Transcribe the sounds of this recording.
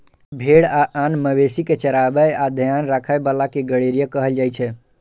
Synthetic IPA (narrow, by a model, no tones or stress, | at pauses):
bʱeɽaʔanməbesiket͡ʃəɾabəjad̪ʱəjanɾakʰəjbəlakeɡəɽeɾijəkəɦəld͡ʒajt͡ʃʰɛ